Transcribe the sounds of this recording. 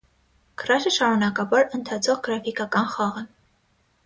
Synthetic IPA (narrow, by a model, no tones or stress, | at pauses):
ɡ̥ərɑʃəʃɑɾunɑkɑbɑɾənt̪ʰɑt͡sʰɔʁɡəɾɑfikɑkɑnχɑʁə